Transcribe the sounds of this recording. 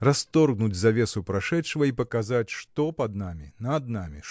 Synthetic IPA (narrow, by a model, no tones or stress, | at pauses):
rast̪ɔrɣnud͡zʲzavʲɛsupɾaʂɛtʂɐvɐipɐkazat͡sʲʂt̪ɔpɐd̪namʲinɐd̪̚namʲḭ